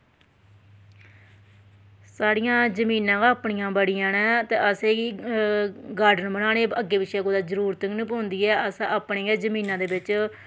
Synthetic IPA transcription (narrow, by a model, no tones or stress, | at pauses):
saːɽijãːd͡ʒəmiːnãːɡaːpɳijãːbəɽɪjãːnɛːt̪ḛːʔəseːiː | ɡaːɾɖənmənaːneːəɡːeːʋɪʃɛːkoːd̪aːzəɾuːɾt̪əŋnĩːpõːnd̪iːɛːəsãaːpɳeːaːd͡ʒəmĩːnãːd̪eːbɪt͡ʃ